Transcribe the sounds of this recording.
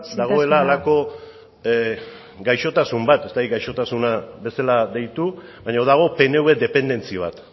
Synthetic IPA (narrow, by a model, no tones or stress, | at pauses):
d̪aɣo̞e̞laːlako̞ | ɡajʃo̞t̪asumbat̪e̞st̪akit̪̚ɡajʃo̞t̪asunaβe̞salaðe̞jt̪u | βajɲaðaɣ̞o̞pe̞ne̞wed̪e̞pe̞nd̪e̞nt͡siβ̞a̰t̪